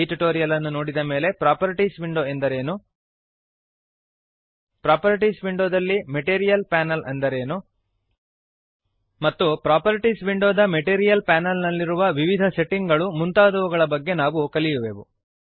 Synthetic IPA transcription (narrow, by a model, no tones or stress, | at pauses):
iʈuʈoːɾijɐlɐnːuno̞ːɽid̪ɐme̞ːle̞pɾaːpɐɾiʈisʋiɳɖo̞ːend̪ɐɾe̞ːnu | pɾaːpɐɾiʈisʋiɳɖoːd̪ɐlːimeʈeːɾijɐlpaːnɐlɐnd̪ɐɾe̞ːnu | mɐt̪ːupɾaːpɐɾiʈiːsʋiɳɖoːd̪ɐmeʈeːɾijɐlpaːnɐlnɐlːiɾuʋɐʋiʋid̪ʱɐse̞ʈːiŋɡɐɭumunt̪aːd̪ɐʋuɡɐɭɐbɐɡːe̞naːʋukɐlijuʋeːʋu